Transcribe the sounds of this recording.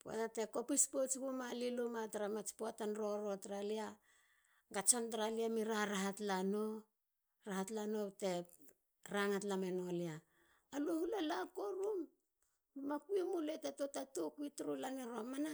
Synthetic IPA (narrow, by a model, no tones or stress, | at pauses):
poa̰tateko̞pispot͡ʃkumalilomataɾamat͡ʃpoatanɾoɾotɾalia | ɡat͡ʃontɾaliamiɾaɾaɦatlano | ɾahatlano̞te̞ | ɾaŋatlame̞noliaː | lohulalakoɾum | makuimuletetotatukuitɾulaneɾomana